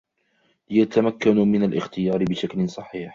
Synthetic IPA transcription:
ljat̪amakːanmɪnalʔɪ̰xt̪ɪjɑːɾɪbɪʃaklɪnsˤɑħiːħ

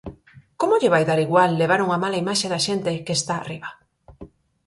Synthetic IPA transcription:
komoʎɪβajðaɾiɣwalːeβ̞aɾuŋamalaimaʃeðaʃent̪ekeːst̪a̰ːriβa

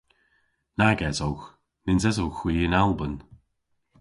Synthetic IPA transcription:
naɡɛzowx | nɪnzɛzowxw̥iːɪnalˠbən

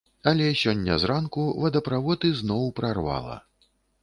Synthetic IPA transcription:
ɐlʲɛsʲɔnʲːɐ̰zɾankuvɐd̪ɐpɾavɔt̪ɨznɔwpɾarva̰lˠɐ̰

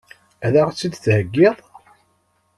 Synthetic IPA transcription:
æðaʁt͡sːid̪θhəɡːɪðˤ

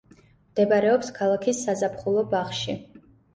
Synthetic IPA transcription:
md̪̥ɛbaɾɛɔpskʰalˠakʰisːazapʰχulˠɔbaχʃi

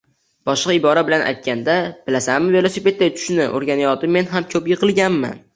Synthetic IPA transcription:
b̥ɒʃqɑɪbɒɾabɪlanʔa̰jt̪̚kʲʰand̪ab̥ɪlasamɪve̞lˠosipe̞t̪̚d̪ajt̪ʰʊ̥ʃnɪʔo̰ɾɡʲanɪjɒt̪ʰɪmːe̞nɦamkʰɵpjɪqʰɨlˠɡʲanma̰n

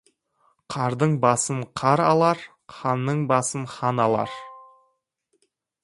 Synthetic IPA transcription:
qʰɑɾd̪əɴbɑsənqʰɑɾɑlˠɑɾ | qʰɑnːəɴbɑsənχɑnɑlˠɑ̰ɾ

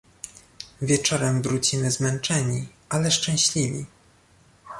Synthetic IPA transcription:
vʲjɛt͡ʂɔɾɛmvɾut͡ɕimɘzmɛnt͡ʂɛɲi | alɛʂt͡ʂɛ̃w̃ɕlʲivʲḭ

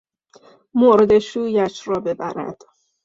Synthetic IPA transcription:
moɾed̪e̞ʃuːjæt͡ʃɾɒːbe̞bæ̰ɾæ̰d̪̥

